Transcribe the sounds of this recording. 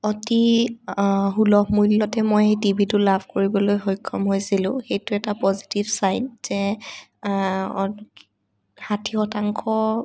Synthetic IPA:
ɔti | ɦulɔxmujlːɔtɛmojejtibʱitʊlabʰʱkoɹibɔlojxojkʰːɔ̰mɦojsilʊ̃xejtʊɛtapɔzi̥tibsajnz̥ɛ | hatʰihɔtaŋkʰɔ

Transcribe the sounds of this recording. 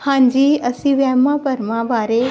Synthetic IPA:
hãːɲd͡ʑiːɐsĩʋɛːmãpɐɾmãbaːɾe

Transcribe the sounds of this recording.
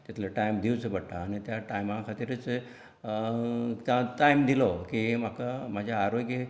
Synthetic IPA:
t̪it̪ʰlaʈajmd̪ʱiwt͡səbəɽʈaːñit̪jaʈajmãkʰat̪iɾit͡s | t̪ãʈajmd̪ilɔkim̤akamad͡ʑʱjaːɾojɡe

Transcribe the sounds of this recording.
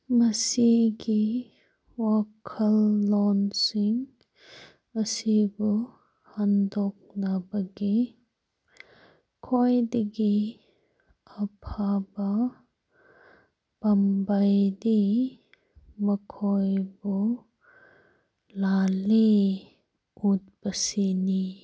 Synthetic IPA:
məsiɡi | wakʰəlːɔnsiŋ | əsibu | handɔk̚nabaɡi | kʰojdiɡi | əpʰaba | b̥ambajdi | məkʰɔjbu | lali | ʔut̚bəsini

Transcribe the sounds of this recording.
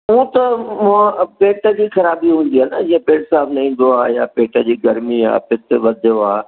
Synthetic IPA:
ũːt̪ɐmãpeːʈə̆d͡ʑiːxɐɾaːbiɦũːn̆d̪iɦənəd͡ʑiːɐ̃peːʈsaːbnɐĩːn̆d̪oaːja̰ːpeːʈəd͡ʑiːɡɐɾmia̰ːpɪt̪ʋɐd̪ʱjoaː

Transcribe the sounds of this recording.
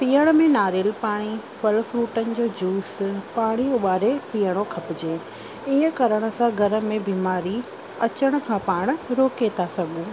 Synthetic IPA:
piːəɽ̃̆mẽnaːɾɪlpaːɽ̃ifɐlfɾuːʈənɪ̆d͡ʑoːd͡ʑuːspaːɽ̃ioɓaːɾepiːəɽ̃okʰɐpɪd͡ʑeː | iə̃kɐɾəɽ̃ʊ̆sãɡʱɐɾə̆mẽbiːmaːɾi | ɐt͡ɕəɽ̃ʊ̆kʰãːpaːɽ̃ʊ̆ɾoːket̪ʰasɐɠʱuː

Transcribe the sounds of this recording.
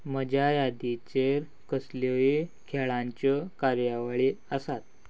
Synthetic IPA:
məd͡ʑʱjajad̪it͡ɕeɾ | kəslojekʰɛɭãɲt͡ɕəkaɾjaʋaɭiəsat̪̚

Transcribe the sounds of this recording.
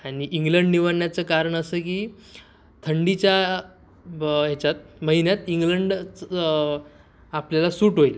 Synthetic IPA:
aɽ̃iʔiŋɡləɳɖniʋaɳjat͡səkaɾəɳəsəːkiː | t̪ʰəɳɖit͡ɕja | ɦet͡ɕat̪̚məɦinjat̪iŋɡləɳɖ | apljalasuːʈɦoil

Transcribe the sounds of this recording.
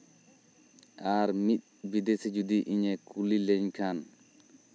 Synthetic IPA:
aɾmit̪̚bid̪esid͡ʒud̪iʔiɲekulilɛɲkʰan

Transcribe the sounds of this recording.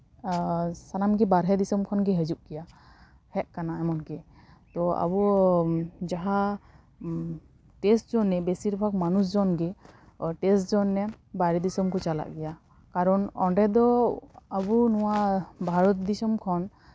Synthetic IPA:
sanamɡɛbaɾɦɛd̪isɔmkʰɔnɡɛɦəd͡ʒuʔ̚ɡɛja | hɛʔ̪̚kanaɛmɔnɡɛ | t̪ɔa̰bu | d͡ʒaɦa | ʈesʈd͡ʒɔnːɛbesiɾbʱak̚manus̬d͡ʒɔnɡɛ | ʈɛsd͡ʒɔnːɛ | baɾɛd̪isɔmkɔt͡ʃala̰ʔɡɛja | kaɾɔnɔ̰ɳɖɛd̪ɔabunɔwabʱaɾɔt̪̚d̪isɔmkʰɔn

